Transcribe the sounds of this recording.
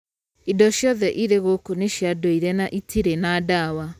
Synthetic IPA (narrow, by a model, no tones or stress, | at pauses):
idɔʃjɔðɛʔiɾeɣokoneʃjadoiɾɛnaʔitiɾenaːdawa